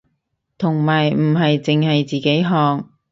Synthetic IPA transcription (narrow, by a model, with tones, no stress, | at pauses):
t̪ʰʊ˨˩ŋmaː˨˩jm̩˨˩ɦɐ˨jt͡sɪ˨ŋhɐ˨jt͡siː˨˩ke˨˥jɦɔː˨˧ŋ